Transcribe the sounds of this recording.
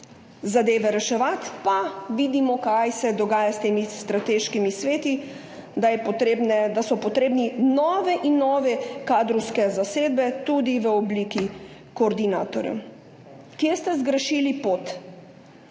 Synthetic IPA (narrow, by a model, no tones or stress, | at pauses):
zad̪eːʋɛɾɛʃɛʋat̪paʋiːd̪imɔkajsɛd̪ɔɡaːjast̪eːmist̪ɾat̪eʃkimisʋeːt̪i | d̪ajɛpɔt̪ebnɛd̪asɔpɔt̪ɾeːbninɔːʋɛʔinːɔːʋɛkaːd̪ɾɔwskɛzaseːd̪bɛt̪ud̪iʋəɔbliːki | koːɾd̪inaːt̪ɔɾjɛ̰ | kjest̪ɛzɡɾəʃiːlipot̪